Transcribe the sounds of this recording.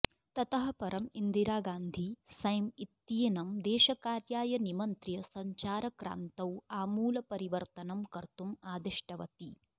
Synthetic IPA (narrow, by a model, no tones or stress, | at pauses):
t̪ɐt̪ɐɦɐ̆pɐɾʔɐmind̪iɾaːɡaːnd̪ʱisɐjmit̪ːinɐmd̪ɛːʃɐkaːɾjaːjɐnimɐnt̪ɾjɐsɐɲt͡ʃaːɾɐkɾa̰ːnt̪ɐwaːmuːlɐpɐɾiʋɐɾt̪ɐnɐmkɐɾt̪umaːd̪iʂʈɐʋɐt̪i